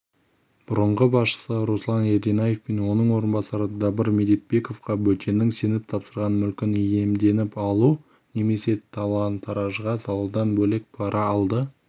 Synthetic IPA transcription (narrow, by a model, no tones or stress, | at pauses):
b̥ʊɾəɴʁəbɑsʃə̥səɾoslˠɑneɾd̪enɑje̞fpenwo̞nəɴwo̞ɾənbɑsɑɾəd̪ɑbəɾmed̪ijt̪̚be̞ko̞fqɑbɵt̪e̞nɪŋse̞nɪp̚t̪ʰɑpsəɾʁɑnmʏlkʲɪnje̞md̪e̞nɪpɑlˠu | ne̞me̞se̞t̪ʰɑlˠɑnt̪ʰːɑɾɑʒəʁɑsɑlˠɑd̪ɑnbɵle̞k̚pʰɑɾʔɑːlˠd̪ə